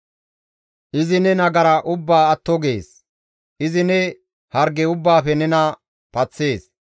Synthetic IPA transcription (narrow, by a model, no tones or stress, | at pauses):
ʔɪzɪnɛnɐɡɐɾɐʔʊbːaːɐt̪ːɔɡe̞ːs | ʔɪzɪnɛ | hɐɾɡɛʊbːaːfɛnɛnɐ | pɐt͡sːe̞ːs